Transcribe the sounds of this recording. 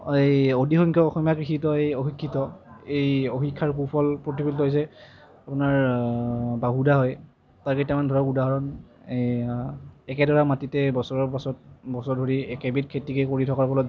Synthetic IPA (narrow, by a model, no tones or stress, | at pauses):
ejodixɔŋkʰɔɔxɔmjakɹixitɔejoxikʰːitɔejoxikʰːaɹpupʰɔlpɹotibiltɦojs̬ɛ | apunaɹ | baɦudaɦɔj | taɹketamandʱɔɹɔkudaɦɔɹɔn | ɛkɛdɔɹamatitɛbɔsɔɹɔɹpasɔt̚bɔsɔɹdʱoɹiɛkɛbit̚kʰetikekoɹitʰɔkaɹkɔlɔ